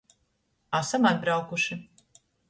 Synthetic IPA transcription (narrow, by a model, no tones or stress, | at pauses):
asamad̪bɾawkuʃɪ